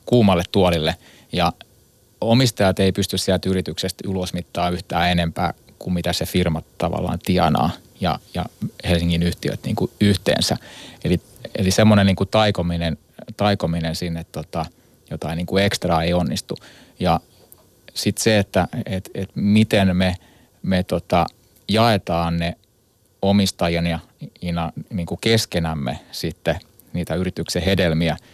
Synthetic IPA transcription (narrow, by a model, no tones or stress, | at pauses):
kuːmɑlːet̪ːuolilːe | jɑ | omist̪ɑjɑt̪eipyst̪yssiælt̪yrit̪yksest̪ulosmit̪ːɑːyht̪æːenempæ̰ː | kummit̪æsefirmɑt̪ɑʋɑ̰lːˑɑ̰ːnt̪iɑ̰nɑ̰ː | jɑ̰jɑ̰helsiŋːinyht̪iø̰t̪nḭːŋkuyht̪ḛːnsæeli | ḛlisemːoneniːŋkut̪ɑikominen | t̪ɑikominensinːet̪t̪ot̪ɑ | jot̪ɑiniːŋkuekst̪rɑːeionːist̪u | jɑ | sit̪seet̪ːæet̪et̪mit̪enme | met̪ot̪ɑ | jɑet̪ɑːnne | omist̪ɑjɑnjɑinɑniːŋkukeskenæmːḛsit̪ːe | niːt̪æyrit̪yksehedelmiæ